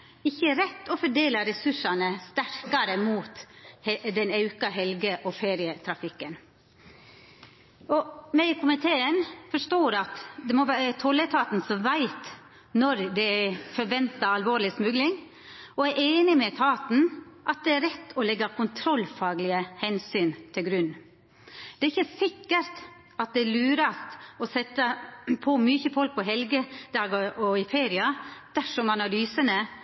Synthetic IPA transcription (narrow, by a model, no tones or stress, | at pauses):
ɪçːəɾɛt̪ːɔfɔɖeːlɑɾɛsʉʂɑnəst̪æɾkɑɾəmuːt̪ | d̪ɛnɑʉkɑɦɛlɡəʔɔfeːɾɪət̪ʰɾɑfɪkːən | ɔmæɪkʰʊmɪt̪ʰeːənfɔʂʈoːɾɑt̪d̪ɛmɔʋæːɾət̪ʰɔlːət̪ʰɑːt̪nsɔmʋæɪt̪ | nɔɾd̪ɛæfɔɾʋɛnt̪ɑɑlʋoːɾlɪsmʉɡlɪŋ | ɔæʔeːnɪmɛt̪ʰɑːt̪n̩ʔɑt̪̚d̪ɛæɾɛt̪ːɔlɛɡːɑkʊnt̪ʰɾɔlːfɑːɡlɪəhɛnsyːnt̪ʰɪlɡɾʉnː | d̪̥ɛæɾɪçːəsɪkːəɾt̪ | ɑt̪̚d̪ɛælʉːɾɑst̪ɔsɛt̪ːəpʰɔmyçəfɔlk̚pʰɔɦɛlɡəd̪ɑːɡɔʔɔɪfeːɾɪɑd̪̥æʂɔmɑnɑlyːsənə